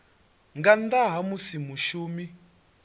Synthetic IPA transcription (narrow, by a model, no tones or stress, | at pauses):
ŋɡand̪aɦamusimuʃuːmi